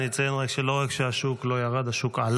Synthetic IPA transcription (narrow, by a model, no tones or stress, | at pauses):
it͡sajenʁakʃelo̞ʁakʃeaʃuklo̞jaʁad̪haʃukʕal